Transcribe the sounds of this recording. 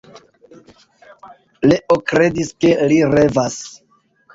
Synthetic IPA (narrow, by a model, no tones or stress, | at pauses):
leʔokɾe̞diskeliɾevas